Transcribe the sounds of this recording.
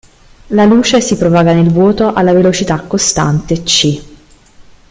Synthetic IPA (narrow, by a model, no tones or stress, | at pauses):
laluːt͡ʃesipɾovaːɡanelvwɔːt̪oʔalːavelot͡ʃit̪akːost̪a̰nt̪et͡ʃːi